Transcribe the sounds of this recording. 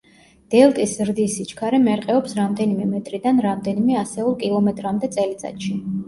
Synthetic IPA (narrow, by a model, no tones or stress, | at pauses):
d̪̥ɛlˠt̪ʼiszɾd̪isit͡ʃʰkʰaɾɛmɛɾqʼɛɔpsɾamd̪ɛnimɛmɛt̪ʼɾid̪anɾamd̪ɛnimɛasɛulˠkʼilˠɔmɛt̪ʼɾamd̪ɛt̪sʼɛlit̪sʼa̰t̪ʃi